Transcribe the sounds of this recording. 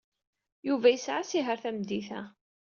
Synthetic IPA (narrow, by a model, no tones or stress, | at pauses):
juvæjəsʕasiɦəɾθæmd̪iθæ